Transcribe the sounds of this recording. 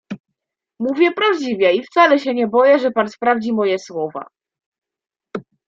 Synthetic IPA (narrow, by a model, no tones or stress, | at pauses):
muvʲjɛpɾavd͡ʑivʲjɛift̪salɛɕɛɲɛbɔjɛʐɛpanspɾavd͡ʑimɔjɛswɔva̰